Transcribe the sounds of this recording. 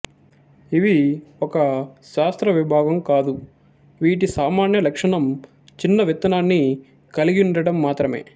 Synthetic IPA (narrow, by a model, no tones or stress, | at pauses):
iʋiɔkɐʃaːst̪ɾɐʋibʱaːɡɐmkaːd̪u | ʋiːʈ̬isaːmaːnjɐlɐkʂɐɳɐm | t͡ʃinːɐʋit̪ɐnaːnːi | kɐliɡinɖɐɽɐmːaːt̪ɾɐme̞̰ː